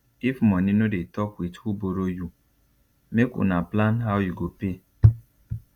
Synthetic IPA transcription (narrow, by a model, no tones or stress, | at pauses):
ifmɔninodetɔkwithuboɾoju | mekṵnaplanɦawjuɡope